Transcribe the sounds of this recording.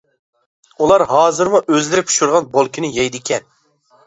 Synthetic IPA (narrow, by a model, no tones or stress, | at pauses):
ulˠɑɾɦɑːzɨɾmuʔøzlɪɾɪpʰu̥ʃuɾʁɑnbolˠkʲʰinɪjɛjd̪ɪkʲʰɛn